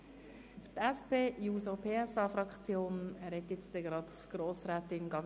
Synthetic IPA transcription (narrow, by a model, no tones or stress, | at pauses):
fytɛspeːjuːsopʰeːɛsɑːfɾɑkt͡sjoːnæɾhɛt̪jɛt͡sd̥̪ɛɡɾɑdɡ̥ɾoːsɾɛːt̪ɪnɡɑ